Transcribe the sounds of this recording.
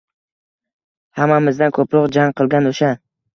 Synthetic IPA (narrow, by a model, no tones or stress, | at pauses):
hamːamɪzd̪ankʰɵpɾɒʁd͡ʒaŋqʰɨlˠɡʲanoʃa